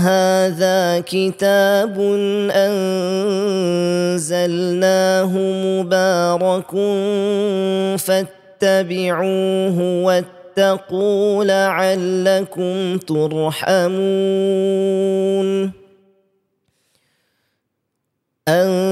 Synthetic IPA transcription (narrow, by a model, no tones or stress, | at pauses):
ɦaːðaːkɪt̪aːbʊnʔan | zalnaːɦʊmʊbaːɾˤɑkʊn | fat̪ːabɪʕuːɦʊwat̪ːɑquːlaʕalːakʊmt̪ʊɾˤħamu | n | ʔan